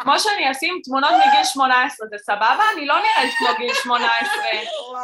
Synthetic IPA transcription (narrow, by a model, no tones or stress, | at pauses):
kmoʃeaniasimt̪muno̞t̪miɡilʃmo̞naesʁezesababaːnilo̞niʁɛt̪kmoɡilʃmo̞naesʁe